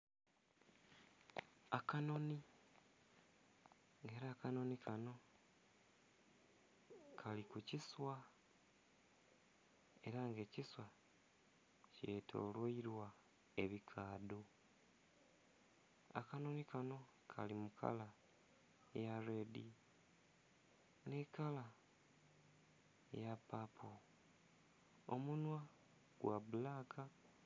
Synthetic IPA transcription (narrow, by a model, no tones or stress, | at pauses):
akano̞ni | ŋɡe̞ːɾaːkano̞nikʰano̞ | kʰalikuciswa | e̞ɾaŋɡe̞ːciswa | ce̞ːtʰo̞̰ːlweiɾwa | e̞βikʰaːdo | a̰kanonikano̞ | kʰalimukʰa̰la | jaɾedi | nekala | japapʰo | o̰munwa | ɡ̥waβulaːkʰa